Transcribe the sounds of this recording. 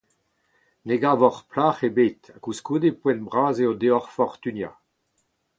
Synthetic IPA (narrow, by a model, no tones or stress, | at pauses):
neɡaːvɔʁplaːχebeːt̪akuskuːd̪epwɛ̃nbʁaːzeod̪eɔʁfɔʁt̪ynja̰